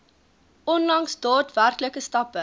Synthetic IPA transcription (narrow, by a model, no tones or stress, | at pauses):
ʔɔnlɐŋsdɑːtværkləkəstɐpə